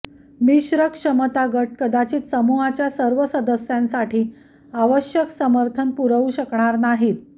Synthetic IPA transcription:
miɕɾəkʂəmət̪aɡəʈ̚kəd̪at͡ɕiːt͡ssəmuɦat͡ɕjasəɾʋəsəd̪əsjãnsaʈiː | aʋəɕjəksəməɾt̪ʰənpuɾəʋuɕəkɳaɾnaɦiːt̪

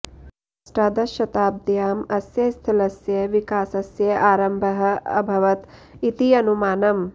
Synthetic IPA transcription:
sʈaːd̪ɐʃɐt̪aːb̚d̪jaːmɐsjɐst̪ʰilɐsjɐʋikaːsɐsjɐʔaːɾɐmbʱɐɦɐ̆ɐ̰bʱɐʋɐt̪ | it̪iɐnumaːnɐm

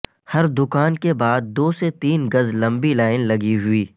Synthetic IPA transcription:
hɐɾd̪ʊkaːnkebaːd̪̚ːoːset̪iːnɡɐzlɐ̃mbilaːɪnlɐɡiɦʊiː

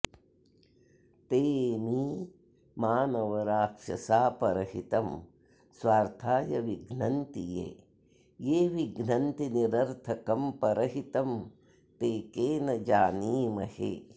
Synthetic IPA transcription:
t̪eːmiː | maːnɐʋɐɾaːkʂɐ̰saːpɐɾɐɦit̪ɐm | sʋaːɾt̪ʰaːjɐʋiɡnɐnt̪ijḛː | jeːʋiɡnɐnt̪iniɾɐɾt̪ʰɐkɐmpɐɾɐɦit̪ɐm | t̪eːkeːnɐd͡ʒaːniːmɐhḛː

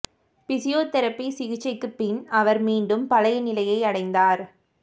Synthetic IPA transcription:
pɪsɪjoːt̪ɛɾɐpːisɪɣɪt͡ʃːɐɪkːɯpːɪnɐʋɐɾmiːɳɖɯmpɐlɐjɐnɪlɐjɐɪɐɽɐɪnd̪aːɾ

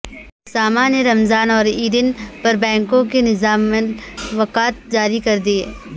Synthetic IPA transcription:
saːmaneɾɐmzaːnɔːɾiːɾɪnpɐɾbɛ̃ːŋkõkenɪzaːmeʋɐqaːt̪̚d͡ʒaːɾikɐɾd̪ieː

